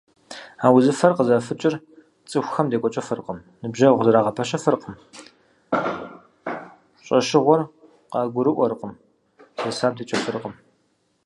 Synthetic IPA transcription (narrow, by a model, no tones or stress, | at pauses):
aːwzɨfɐrqəzafɨt͡ʃʼɪr | t͡sʼɨxʷxɐmdeːkʷʼɔt͡ʃʼɐfɨrqəm | nɨbʒɐʁʷzɐɾaːʁɐpʰɐɕɐfɨrqəm | ɕʼɐʃɪʁʷɔr | qɑːɡʷʊɾɨʔʷɔɾqəm | seːsaːmtʰiːt͡ʃʼɐfɨrqəm